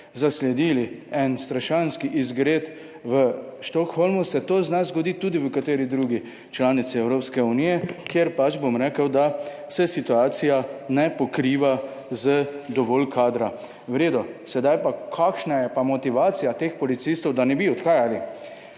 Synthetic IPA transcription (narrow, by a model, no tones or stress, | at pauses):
zaslɛd̪iːliɛnst̪ɾaʃanskiʔizɡɾeːt̪ | ʋəʃt̪ɔkxɔlmusɛt̪oːznazɡɔd̪it̪uːd̪iʋəkat̪eːɾid̪ɾuːɡi | t͡ʃlaːnit̪siɛwɾoːpskɛunijɛkjeɾpat͡ʃbomɾɛkəwd̪a | sɛsit̪uaːt̪sijanɛpɔkɾiːʋa | zəd̪ɔʋɔːlkʰaːd̪ɾa | ʋɾeːd̪ɔsɛd̪ajpakʰakʃnajɛpamɔt̪iʋaːt̪sijat̪eːxpɔlit̪sist̪ɔwd̪anɛbiɔt̪xaːjali